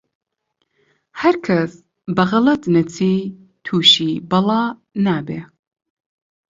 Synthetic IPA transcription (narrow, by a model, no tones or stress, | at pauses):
hɐɾkʰɐs | bɐɣɐlɐt̪nɐt͡sʰiː | t̪ʰuːʃiːbɐlˠɑːnaːbeː